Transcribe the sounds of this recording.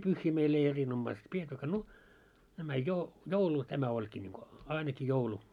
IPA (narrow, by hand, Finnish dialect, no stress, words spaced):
pyhːiː meil ei erinomːɑist pietːykːæ no næmæ jo joulu tæmæ olʲkiː nʲiŋko ɑineki joulu